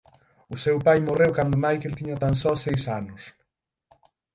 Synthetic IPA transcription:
ʊsewpajmorewkand̪ʊmajkelt̪iɲat̪ansɔsejsanʊs

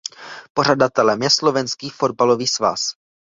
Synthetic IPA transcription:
po̞r̝adat̪ɛlɛmjɛslo̞vɛnskiːfo̞d̚balo̞viːsva̰s

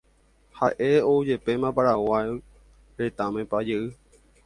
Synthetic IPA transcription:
haʔe̞oud͡ʒepe̞mãpaɾawa | ɾe̞t̪amẽ̞pad͡ʒeɨ

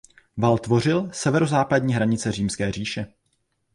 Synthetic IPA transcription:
valt̪vo̞rɪlsɛvɛɾozaːpadɲiːɦɾaɲɪt͡sɛriːmskɛːr̝iːʃɛ

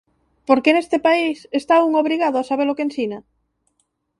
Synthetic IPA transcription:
poɾkenest̪epaisest̪auŋoβɾiɣað̞ʊasaβ̞elokensina

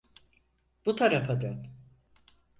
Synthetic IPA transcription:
b̥ut̪ʰaɾafad̪an

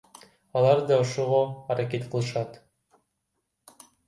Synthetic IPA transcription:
ɑlˠɑɾd̪ɑoʃoʁoaɾaket̪qʰɯlˠɯʃɑt̪

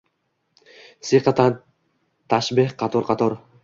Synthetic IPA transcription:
siqɑt̪ʰan | t̪ʰaʃbehqɑt̪ʰoɾqʰɑt̪ʰoɾ

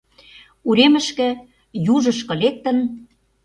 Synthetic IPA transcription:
uɾemə̆ʃkɘ̆ | juʒɤ̆ʃkɤ̆lek̚t̪ə̆n

